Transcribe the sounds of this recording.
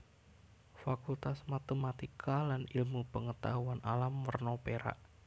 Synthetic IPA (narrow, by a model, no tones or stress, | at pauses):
fakult̪asmat̪əmat̪ikʰalanilmupəŋət̪aɦuanʔalamːərnopeɾa̰ʔ